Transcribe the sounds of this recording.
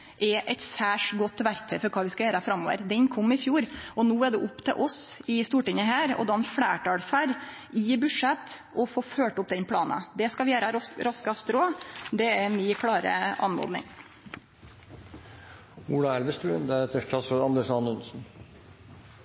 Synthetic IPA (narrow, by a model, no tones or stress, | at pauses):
ʔɛʔɛt̪sæːʂɡɔt̪ːʋæɾk̚t̪ʰœʏfɔɾkʰɑːʋɪskɑjøːɾəɑfɾɑmːoːʋə̰ɾd̪ɛɲkʰɔmːɪfjuːɾɔnuːæɖɛʔʊpːt̪ʰɛ̰ʔɔsɪst̪uːʈɪŋəɦæːɾɔ̰d̪ɑːɛnfɽæːʈɑːɽfæɾ | ɪbʉʂɛt̪ː | ɔfoːføːʈʊp̚d̪ɛnpʰɽɑːnɑ̰d̪ɛskɑʋɪjøːɾəɾɾɑskɑst̪ɾoːd̪ɛɛɾmɪkʰɽɑːɾə̰ɑ̰nmɔ̰ɾd̪nɪ̰ŋ | uːlɑælʋəst̪ʉːənd̪ɛɾɛt̪ːəʂʈʰɑt̪fɔɑnd̪əʂɑnʉnsn̩